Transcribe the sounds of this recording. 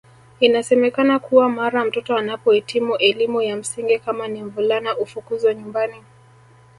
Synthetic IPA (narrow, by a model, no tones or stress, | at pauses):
inasɛmɛkanakuwamaɾam̩tɔtɔanapɔhitimuʔɛlimujam̩siŋɡikamaniɱvulanaʔufukuzaɲumbani